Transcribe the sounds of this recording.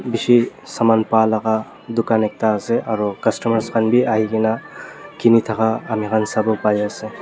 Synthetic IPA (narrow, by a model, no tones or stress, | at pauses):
biʃisɐmaːnpaːlɐka | d̪ʊkaːnek̚t̪aːseʔɐɾokɐsʈɐmɐɾskɐnbʱiʔaːɦikinakinit̪ʰɐkaɐmikɐnsɐbopaːjasẽ